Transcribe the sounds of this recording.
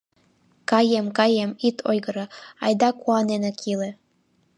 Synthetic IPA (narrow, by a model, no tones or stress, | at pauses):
kɑjemkɑjemit̪ʰojɣɤ̆ɾɑɑ̰jd̪ɑkuɑnenɑkʰilĕ